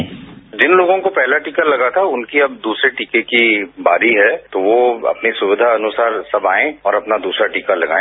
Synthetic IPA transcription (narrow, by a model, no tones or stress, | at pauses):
d͡ʒɪnloːɡõkopɛɦlaʈikalɐɡat̪ʰaʊnkiɐb̚d̪uːsɾeʈiːkekibaːɾiɦɛt̪oʋoɐ̰pnisʊʋɪd̪ʱaɐnʊsaːɾsɐbaːẽɔːɾɐpnad̪uːsɾaʈiːkalɐɡa̰ːẽ